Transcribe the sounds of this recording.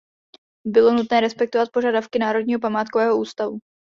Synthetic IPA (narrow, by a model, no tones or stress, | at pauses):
bɪlo̞nut̪nɛːɾɛspɛk̚t̪ovat̪̚po̞ʒadafkɪnaːɾo̞dɲiːɦo̞p̬amaːt̪̚kovɛːɦoʔuːst̪avu